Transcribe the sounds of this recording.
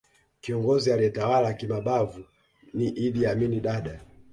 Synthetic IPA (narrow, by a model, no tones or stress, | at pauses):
kiɔŋɡɔzialiɛtawalakimaɓavu | niʔiðiaminiɗaɗa